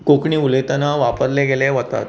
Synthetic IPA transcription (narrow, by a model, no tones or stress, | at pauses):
kokɳiːulet̪anaʋapəɾleɡeleʋət̪a̰t̪̚